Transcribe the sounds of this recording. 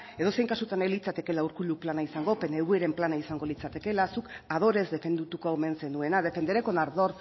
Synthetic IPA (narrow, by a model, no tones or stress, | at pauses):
e̞ðo̞se̞jŋkasut̪anelit͡sat̪e̞ke̞lauɾkuluplanaisaŋɡo̞pe̞neɣue̞ɾe̞mplanaisaŋɡo̞lit͡sat̪e̞ke̞lasukað̞o̞ɾe̞zd̪e̞fe̞nd̪ut̪ukoaume̞nse̞nue̞nað̞e̞fe̞nd̪eɾeko̞naɾðo̞ɾ